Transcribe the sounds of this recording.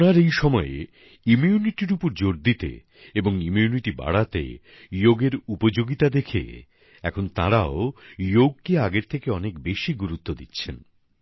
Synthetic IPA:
naɾejʃɔmɔe | imjuniʈiɾupoɾd͡ʑoɾd̪it̪ḛ | eboŋumiuniʈiba̰ɽat̪ḛ | joɡeɾupod͡ʑoɡit̪ad̪ekʰḛ | ɛkʰont̪aɾaojoɡ̚keaɡeɾt̪ʰekeɔnekbeʃiɡuɾut̪ːod̪itːɕʰen

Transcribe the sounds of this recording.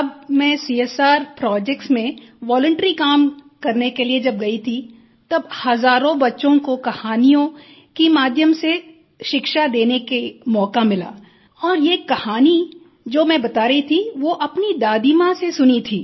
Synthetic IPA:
ɐbmɛ̃siːesaːɾpɾɔːd͡ʒɛk̚ʈsmẽʋɔːlə̃ɳʈɾikaːm | kɐɾnekelied͡ʒɐb̚ɡɐit̪ʰi | t̪ɐbhɐzaːɾõbɐtːʃõkokɐhaːnijõ | kimaːd̪ʱjəmse | ʃɪkʃad̪eːnekemɔːkamɪla̰ː | ɔːɾjeːkɐhaːni | d͡ʒoːmɛ̃bɐt̪aːɾɐɦit̪ʰiʋoʔɐpnid̪aːd̪imãsesʊnit̪ʰiː

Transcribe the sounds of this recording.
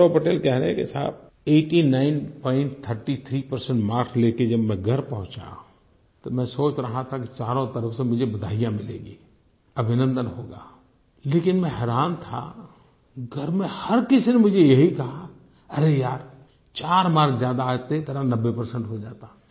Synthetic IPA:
õpɐʈeːlkɛɦɾəɦɛ̰̃kḛsa̰ːb̚ | eːʈinaːɪnpɔ̃ːɪ̃ɳʈt̪ʰəɾʈit̪ʰɾipɐɾsəɳʈmaːɾkʰleːked͡ʒɐbmɛ̃ɡʱɐɾpɐɦʊ̃t͡ʃã̰ | t̪omɛ̃soːt͡ʃɾɐɦat̪ʰakit͡ʃaːɾõt̪ɐɾəfsẽmʊd͡ʒʱebɐd̪ʱaːɪjãmɪlḛːɡiː | ɐbʱɪnə̃nd̪ənɦoːɡa̰ː | leːkɪnmɛ̃ɦɛːɾaːnt̪ʰa̰ | ɡʱɐɾmẽhɐɾkɪsinemʊd͡ʒʱejɐɦikɐɦa | ɐɾejaːɾ | t͡ʃaːɾmaːɾkʰzjaːd̪aːɡ̚t̪eet̪ɐɾanɐbːepɐɾsə̃ɳʈɦod͡ʒaːt̪a

